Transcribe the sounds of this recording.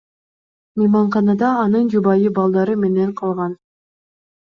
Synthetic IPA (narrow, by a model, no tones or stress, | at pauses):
mijmɑɴχɑnɑd̪ɑːnɯnd͡ʒubɑjɯbɑlˠd̪ɑɾɯme̞ne̞ɴqʰɑlˠʁɑn